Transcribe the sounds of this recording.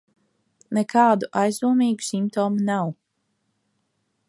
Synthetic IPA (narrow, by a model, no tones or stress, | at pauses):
nɛkaːd̪uʔajzd̪uɔmiːɡu̥simpt̪ɔːmunaw